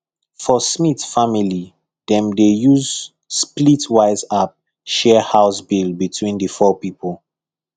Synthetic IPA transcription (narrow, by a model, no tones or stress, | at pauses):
fɔsmitfamili | dɛ̃mdejuz | splitwaɪzap̚ | ʃɛhaʊsbilbitwĩndəfɔpipol